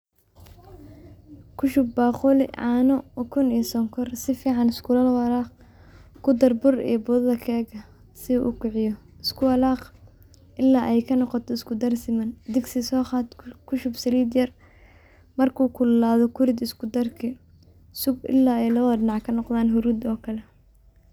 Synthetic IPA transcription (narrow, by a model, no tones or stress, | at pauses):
kʰʊʃʊbːaːχʊlɪ̰ʕɑːnɔkʰʊnijsɔŋkʰɔrsɪfiːʕɑnɪskʰʊlɐlwɑɾaːq | kʰʊd̪ɐrbʊrḭːbʊðɐðɐkʰɛːɡɐ | sɪuʔːkʰʊʕɪjɔ | ɪskʰʊwɐlaːq | ʔɪlːaːʔɛjkʰɐnɔqɔt̪ʰɔɪskʰʊd̪ɐrsɪmɐnd̪ɪɡsɪsɔːχɑːd̪kʰʊʃʊbsɐliːd̪jɐr | mɐrkʰuːkʰʊlːaːðɔkʰʊɾɪd̪ɪskʊd̪ɐrkʰɪ | sʊɡɪ̰lːaːɛjlɐɐðɖɪnɑʕkʰɐnɔqðaːnɦʊɾuːd̪ɔːkʰɐlɛ